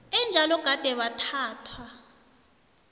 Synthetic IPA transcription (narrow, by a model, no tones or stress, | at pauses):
ɛnd͡ʒʱalɔɡ̥ʱad̥ʱɛɓatʰaːtʰwa